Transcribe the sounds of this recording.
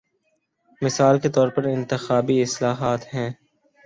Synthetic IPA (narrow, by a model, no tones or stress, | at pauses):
mɪsaːlket̪ɔːɾpɐɾɪ̃nt̪ɪxaːbiɪslaːɦaːt̪ɦɛ̃ː